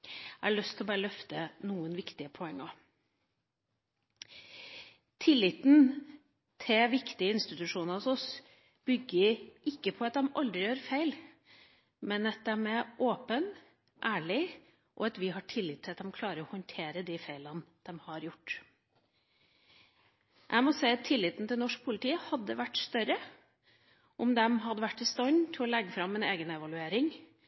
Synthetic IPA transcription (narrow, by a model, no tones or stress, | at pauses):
ʔæɭœst̪ʰlɔbæːɾəlœft̪ənuːənʋɪkt̪ɪəpʰɔɛŋːɑ | t̪ʰɪlːɪt̪n̩ | t̪ʰɪʋɪkt̪ɪəɪnst̪ɪt̪ʉʂuːnɑɔsɔs | b̥ʏɡːɪɪkːəpʰɔɑt̪̚d̪ɛmɑ̰ld̪ɾɪjøːɾfæɪl | mɛnɛt̪̚d̪æmɛʔoːpən | ʔæːɭɪ | ʔɔ̰ɑt̪ʋɪɦɑʈʰɪlːɪːt̪ʰːɪlɑt̪̚d̪ɛmkʰlɑːɾəɾɔhɔnt̪ʰeːɾəd̪ifæɪlənd̪̥ɛmhɑɾjʊʈː | ʔæ̰mɔsæɪɑt̪ʰːɪlːɪːt̪n̩t̪ʰɪlnɔʂk̚pʰʊlɪt̪iːəhɑd̪ːəʋæʈːst̪œɾə | ʔɔmd̪ɛmɦɑd̪əʋæʈːɪst̪ɔɲt̪ʰɪlɔlɛɡːəfɾɑmːɪneːɡənɛʋɑlʉeːɾɪŋ